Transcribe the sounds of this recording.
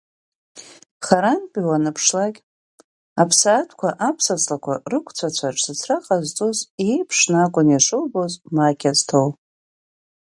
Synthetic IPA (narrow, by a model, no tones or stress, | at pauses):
χaɾanpʼiwanɨpʰʂlakʲʼ | apʰsatʰkʷaʔapʰsasʰlakʷʰa̰rɨkʷʰt͡sʷʰat͡sʷʰaʈ͡ʂʰʼsɨt͡sʰraqʼazt͡sʼozejpʰʂnakʷʼʊnjaʂɨlbozmakʲʰaztʰow